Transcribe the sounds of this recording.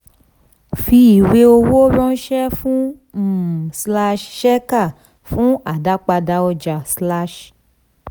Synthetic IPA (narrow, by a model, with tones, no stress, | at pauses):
fi˧i˨we˧o˧wo˦bɔ̃˦n̩˦ʃɛ˦fũ˦ | m̩˨sla˧ʃʃɛ˦ka˦˨ | fũ˦a˨da˦k͡pa˧da˧wo˦d͡ʒa˨sla˦ʃ